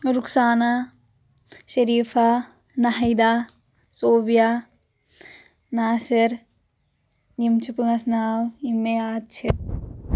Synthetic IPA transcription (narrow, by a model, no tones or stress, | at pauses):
ɾuksaːna | ʃɐɾiːpʰaː | nɐɦjd̪aː | soːbijaː | naːsɐɾ | jimt͡ʃʰupɨŋɐsnaːwimːeaːt̪̚t͡ʃʰi